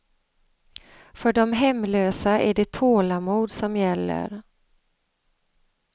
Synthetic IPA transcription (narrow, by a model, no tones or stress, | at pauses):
fœɖɔmɦɛmːløːsaæɖɛt̪ʰoːlamuːd̪sɔmjɛlːə̰ɾ